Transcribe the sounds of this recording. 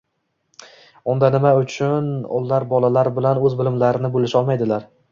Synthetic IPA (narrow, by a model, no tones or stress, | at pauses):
ʊnd̪anɪmaʊt͡ʃʰʊnɒ̰lˠːaɾbɒlalaɾbɪlanɵzbɪlɪmlaɾɪnɪbolɪʃɒlˠmajd̪ɪlaɾ